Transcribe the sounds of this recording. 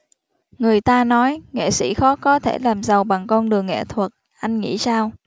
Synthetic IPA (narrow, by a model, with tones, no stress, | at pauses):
ŋɨ˨˩əjt̪aː˧nɔ˨˦jŋḛ˧˨sḭ˧˥xɔ˨˦kɔ˨˦t̪ʰe˧˩laː˨˩mzə˨˩wɓa˨˩ŋkɔ˧nɗɨ˨˩əŋːɛ̰˧˨t̪ʰwə˨˩t̚ | ʔa˧jŋ̟ŋḭ˧˥saː˧w